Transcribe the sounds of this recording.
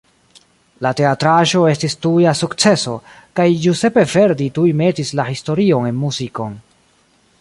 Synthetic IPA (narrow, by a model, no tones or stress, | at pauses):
late̞atɾaʒo̞e̞stistujasukt͡se̞so̞ | kajjuse̞pe̞ve̞ɾditujme̞tislahisto̞ɾio̞ne̞nmuziko̞n